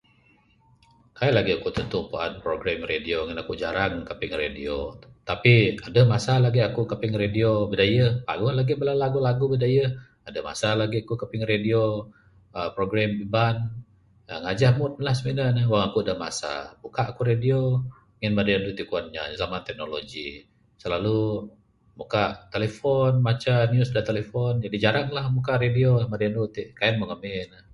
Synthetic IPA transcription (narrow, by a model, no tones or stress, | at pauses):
kajalaɡiakut̪ənt̪upua̰npɾoɡɾamredioŋənakud͡ʒaɾaŋkapɪŋredio̰t̪apiadəmasalaɡiakukapɪŋrediobədajəhpa̰ɡʊhlaɡibəlalaɡulaɡubədajə | adəhma̰salaɡiakukapɪŋredio | əpɾoɡɾambiban | ə̰ŋad͡ʒahmʊt̪̚lahsəminanəhwaŋakuadama̰sa̰bukaʔakuɾedio | ŋɛnmadaandut̪ikuan̚ɲa̰zamat̪ɛk̚nolo̰ɡḭ | səlalu | mukaʔt̪elefɔnmat͡ʃanjusdant̪elefɔnd͡ʒadid͡ʒaɾaŋlahmukaʔɾediomadiandut̪iʔkaɛnməŋamenəh